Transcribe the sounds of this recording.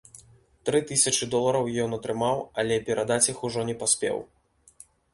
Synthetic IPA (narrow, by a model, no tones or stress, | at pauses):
t̪ɾɨt̪ɨsʲɐt͡ʂɨd̪ɔlˠɐɾɐwjɔnɐt̪ɾɨmawɐlʲɛpʲɛɾʔad̪at͡sʲixuʐɔnʲɛpasʲpʲɛ̰w